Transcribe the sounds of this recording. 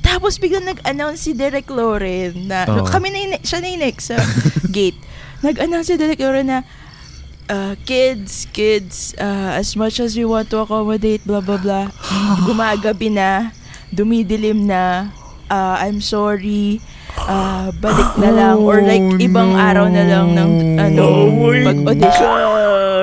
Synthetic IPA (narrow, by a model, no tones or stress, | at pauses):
t̪aːposbɪɡlaŋnɐɡʔɐnawnsid̪ɛɾɛk̚t̪oɾɛɐno̰kɐmɪnɐɪnɛkʃɐnɐɪnɛksɐɡejt̪̚ | nɐɡʔɐnawnsid̪ɛɾɛk̚t̪oɾɛnɐ | ʔakɪd̪skɪd̪sʔaɐsmɐt͡ʃɐs̬wiwãnt̪uɐkomod̪ejt̪̚blablablaɡʊmaːɡɐbɪnɐ | d̪ʊmid̪ɪlɪmnɐ | ʔaʔajmsoɹi | ʔabɐlɪk̚nɐlɐŋʔoɹlajk̚ʔɪbaŋʔaːɾɐwnɐlɐŋnɐʔɐnomɐɡod̪ɪʃo